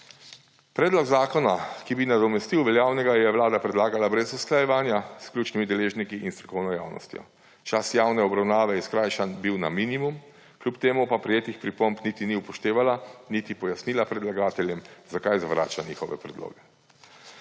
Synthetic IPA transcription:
pɾɛːd̪lɔɡzaːkɔnakibinad̪ɔmɛst̪iwʋɛljaːwnɛɡajɛwlaːd̪apɾɛd̪laːɡalabɾɛzusklajɛʋaːnjaskljuːt͡ʃnimid̪ɛleːʒnikiʔinst̪ɾɔkɔwnɔja̰ːwnɔ̰st̪jɔ̰ | t͡ʃasjaːwnɛɔbɾawnaːʋɛiskɾajʃanbiwnaminimum | klʲupt̪eːmupapɾijeːt̪ixpɾipɔmpnit̪iniupɔʃt̪eːʋalanit̪ipɔjasnilapɾɛd̪laɡaːt̪ɛljɛmzakajzaʋɾa̰ːt͡ʃaniːxɔʋɛ̰pɾɛd̪lo̰ːɡɛ

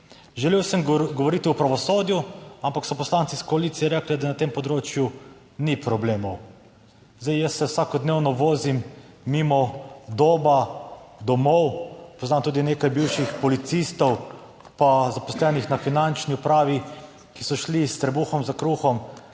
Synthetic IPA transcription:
ʒɛleːwsəmɡɔʋɔɾiːt̪iupɾaʋɔsoːd̪juampaksɔpɔslant̪siskɔaliːt̪sijɛɾɛklɛd̪anat̪empɔd̪ɾoːt͡ʃju | nipɾɔbleːmɔw | zd̪ejjəsːɛwsakɔd̪neːwnɔʋoːzimː | imɔd̪oːbad̪ɔmɔwpɔznaːmt̪uːd̪ineːkajbiwʃixpɔlit̪sist̪ɔw | pazapɔslɛːnixnafinant͡ʃniupɾaːʋi | kisɔʃlist̪ɾɛbuxɔmzakɾuxɔm

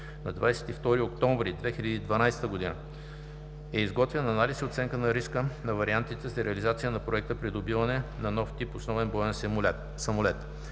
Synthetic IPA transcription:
nɐd̪vajsɛ̥t̪ift̪ɔɾiokt̪ɔɱvɾid̪vɛxilʲəd̪iːd̪vɐnajst̪əɡoʊd̪inə | ɛizɡɔt̪vɛnɐnalisiot̪sɛŋkənɐɾiskənɐvɐɾiant̪it̪ɛzɐɾɛəlizat̪sijənɐpɾoɛk̚t̪əpɾid̪obivɐnɛnɐnɔft̪iposnɔvɛnbɔɛns | sɐmolɛt̪

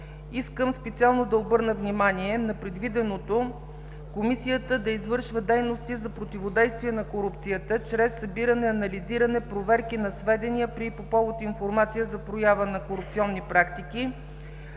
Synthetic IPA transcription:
iskəmspɛt̪sialˠnod̪ɐobɤɾnəvnimaniɛnɐpɾɛd̪vid̪ɛnot̪o | komisijət̪əd̪ɐizvɤɾʃvəd̪ɛjnost̪izɐpɾot̪ivod̪ɛjst̪viɛnɐkoɾup̚t̪sijət̪ət͡ʃɾɛsːɐbiɾənɛɐnɐliziɾɐnɛpɾovɛɾkinɐsvɛd̪ɛnijəpɾipopɔvˠot̪infoɾmat̪sijəzɐpɾojavənɐkoɾupt̪siɔnːipɾakt̪iki

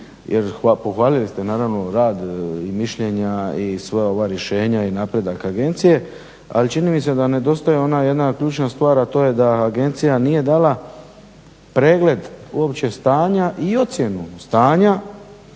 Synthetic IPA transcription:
jʔeɾapoxʋaːlilist̪enaːɾaʋno̞ɾaːd̪imiʃʎe̞ɲaisʋeo̞ʋaɾje̞ʃe̞ːɲainaːpɾe̞d̪akaɡe̞nt̪sije̞ | a̰lit͡ʃinimise̞d̪ane̞d̪o̞st̪ajeo̞naje̞d̪nakʎuːt͡ʃnast̪ʋaːɾat̪o̞ːje̞d̪aːɡe̞nt̪sijanije̞d̪aːla | pɾe̞ːɡle̞d̪uopt͡ɕe̞st̪aːɲaʔio̞t̪sje̞nust̪aːɲa

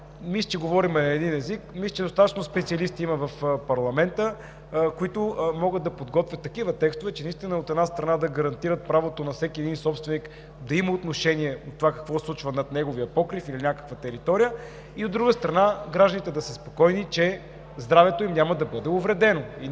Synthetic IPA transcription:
mislʲə̥t͡ʃɛɡovɔɾimɛnɐɛd̪inɛzikmislʲˠit͡ʃɛd̪ost̪at̪ət͡ʃnospɛt̪siɐlist̪iimɐvɐfpɐɾlˠɐmɛnt̪ə | koit̪ʊmɔɡəd̪ɐpod̪ɡɔt̪vʲjɐt̪ːɐkivət̪ɛkst̪ovɛt͡ʃɛnist̪inəot̪ɛd̪nast̪ɾɐnad̪ɐɡɐɾɐnt̪iɾət̪̚pɾavot̪onɐfsɛkʲiɛd̪insɔpst̪vɛnik | d̪ɐiməot̪noʃɛniɛot̪ːovakɐ̥kvɔslˠut͡ʃvɐnɐt̪nɛɡovijəpɔkɾifilinʲakə̥kvɐt̪ɛɾit̪ɔɾijə | iod̪ɾuɡəst̪ɾɐnaɡɾaʒd̪ənit̪ɛd̪ɐsəspokɔjnit͡ʃɛ | zd̪ɾavɛt̪oimnʲamɐd̪ɐbɤd̪ɛovɾɛd̪ɛnoi

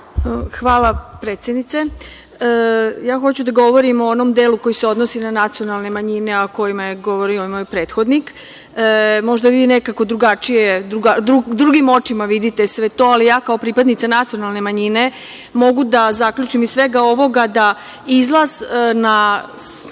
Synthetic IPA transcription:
xʋaːlapɾet̪sjed̪nit̪se̞ | jaːxo̞t͡ɕud̪aɡo̞ʋo̞ɾimoonomd̪eluko̞jiseo̞d̪nosinanat̪sio̞nalˠne̞maɲineoko̞jimajeɡo̞ʋo̞ɾiomojpɾeːt̪xo̞d̪nikː | mo̞ʒd̪aʋiːne̞kako̞d̪ɾuɡat͡ʃijed̪ɾuɡad̪ɾud̪ɾuɡimo̞t͡ʃimaʋid̪it̪e̞sʋe̞t̪o̞ːalijaːkao̞pɾipad̪nit̪sanat̪sionalˠne̞maɲine̞ | mo̞ɡud̪azaklʲʎut͡ʃimissʋe̞ɡao̞ʋo̞ɡad̪a | izlˠaz̥na

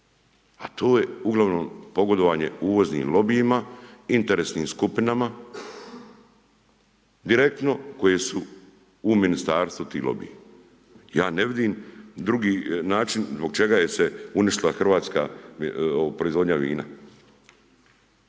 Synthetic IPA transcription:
at̪ʰoːje̞uɡlˠaʋno̞ːmpo̞ɡo̞d̪oʋaːɲe̞̰uːʋo̞znḭːmlo̞bijimaint̪eɾesniːmskupinama | d̪iɾe̞k̚t̪no̞ko̞jesuː | minist̪aːɾst̪ut̪ḭːlo̞̰bḭji | jaːneʋid̪iːmd̪ɾuɡiːnaːt͡ʃinzbo̞ɡt͡ʃe̞ɡaje̞seuniʃt̪ilaxr̩ʋaːt̪ska̰ː | opɾoizʋo̞d̪ɲaʋḭːna̰

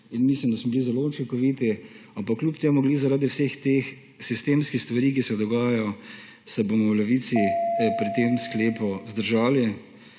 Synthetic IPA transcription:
inmislimd̪asmɔbilizɛlout͡ʃiŋkɔʋit̪iampakːljupt̪eːmuɡlizaɾaːd̪iwsext̪eːx | sist̪eːmskixst̪ʋaɾiːkisɛd̪ɔɡaːjajɔ | sɛbomɔwlɛʋiːsiɛpɾit̪eːmskleːpɔzd̪əɾʒaːli

